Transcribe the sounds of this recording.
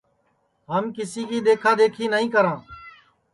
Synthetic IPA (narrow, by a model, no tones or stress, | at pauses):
ɦəmkɪsiːkiːd̪eːkʰaːd̪eːkʰiːnəɦĩːkəɾãː